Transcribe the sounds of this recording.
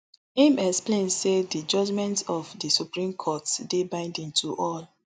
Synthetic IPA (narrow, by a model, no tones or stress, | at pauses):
emɛksplẽnsedid͡ʒɔd͡ʒmɛ̃ntɔfdisupɹĩmkʰɔtsdebãɪ̃ndĩntʰuʔɔl